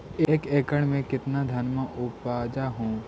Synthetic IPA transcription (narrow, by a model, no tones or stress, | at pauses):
eːkeːkəɽmẽkɪt̪nad̪ʱɐnmaʔʊpaːd͡ʒaɦũː